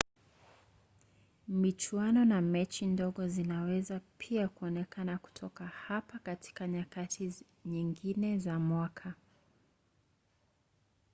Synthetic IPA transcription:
mit͡ʃwanɔnamɛt͡ʃindɔɠɔzinawɛzapʰiakuɔnɛkanaku̥tʰɔkahapakati̥kaɲakatʰi | ɲiŋɡinɛzamwakʰa

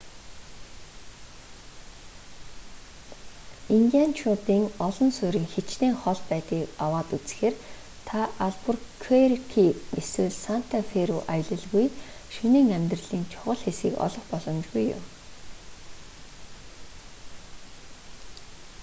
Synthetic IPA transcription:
iŋɡʲant͡ɕʰʊt̪iːŋɔɮɞ̆nsʊɾiːŋxet͡ɕneːŋχɔɮpæːt̪iːkawaːt̪ut͡sxeːr | t̪ʰaʔaɮpurkʰerkʰieswɘ̆ɮsan̥t̪ʰafeɾuʔaj̆ɮə̆ɮɣuj | ʃuniːŋæmʲt̪rə̆ɮiːnt͡ɕʰʊʁɞ̆ɮxesɡiːkɔ̰ɮɞ̆χpɔɮɞ̆mt͡ɕɣujːʊ̰m

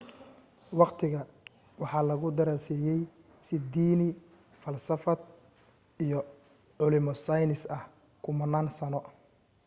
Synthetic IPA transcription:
wɑqt̪ʰɪɣɐ | wɑħɑːlɐɣʊd̪ɐɾaːsɛːjɛj | sɪd̪iːnɪ | fɐlsɐfɐd̪ | ijɔ | ʕʊlɪmɔsɐjnɪsɐh | kʰʊmɐnːaːnsɐnɔ

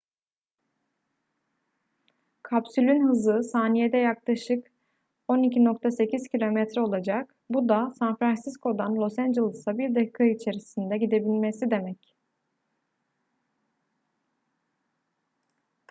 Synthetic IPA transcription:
kʰapsylʲynhɯzɯsaːnijed̪ɛjaklˠaʃɯk | o̞nicino̞k̚t̪ʰase̞cʰiz̥cʰilʲo̞mɛt̪ɾo̞lˠad͡ʒak | bud̪asanfɾansiskʰo̞d̪anlʲˠo̞sænd͡ʒelʲˠisabiɾd̪ei̥kʰait͡ʃʰe̞ɾisind̪ɛɟid̪e̞bilʲmesid̪e̞mɛc

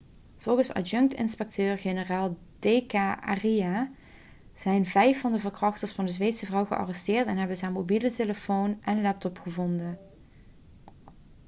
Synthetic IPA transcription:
v̥ɔlˠɣəsɑ̰d͡ʒɵŋktɪ̰nspɛk̚tøːrɣenəraːlˠ | d̥ejkaːʔa̰rija | z̥ɛjnvɛjfːɑndəvəɹkrɑxtəɹsfɑndəzʋejtsəvrɑwɣəʔɑ̰rɛstɪːrtɛnɦɛbənzaːmobiləteləfownʔɛnlɛp̚tɔpχəvɔndə

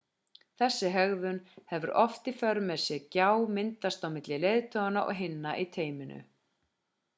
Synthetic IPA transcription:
θɛsːɪɦœɣðʏnhɛvʏɾʔɔft̪ifœɾmɛsɪcaːwmɪnt̪ast̪awmɪt̪lɪlejðt̪ʰɔɣanaʔɔ̰ɣɦɪnːaʔit̪ʰeːjmɪnʏ̰

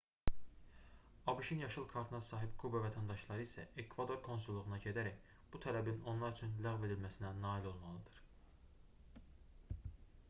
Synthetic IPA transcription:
ɑbuʃinjɑʃɯlˠkʰɑɾt̪ʰɯnɑsɑːɦibkʰubɑvæt̪ʰænd̪ɑʃlˠɑɾɯisæekʰvɑd̪o̞ɾkʰo̞nsulˠːuʁunɑɟe̞d̪æɾæç | b̥ut̪ʰælæbino̞nlˠɑɾyt͡ʃʰynlæɣve̞d̪ilmæsinænɑːilo̞lˠmɑlˠɯd̪̥ɯɾ̥

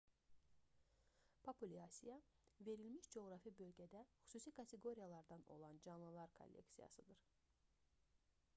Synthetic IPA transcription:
pʰopʰulʲiɑsijɑ | ve̞ɾilmiʃd͡ʒo̞ɣɾɑfibø̞lɟæd̪æxy̥suːsikʰɑt̪ʰe̞ɡo̞ɾijɑlˠɑɾd̪ɑno̞̰lˠɑnd͡ʒɑnlˠɯlˠɑɾkʰo̞̰lʲːe̞̰ksijɑ̰sɯd̪ɯɾ

